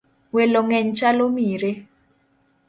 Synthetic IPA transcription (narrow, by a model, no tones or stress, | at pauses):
welɔŋɛɲt͡ʃalomiɾe